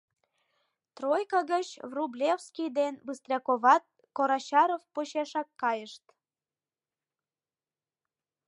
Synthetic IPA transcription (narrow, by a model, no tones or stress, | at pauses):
t̪rojkɑɣət͡ɕvrublʲefskʲijd̪enbɨst̪rʲɑkoβɑt̪̚ | koɾɑɕɑɾofpoɕeʃɑkːɑjəʃt̪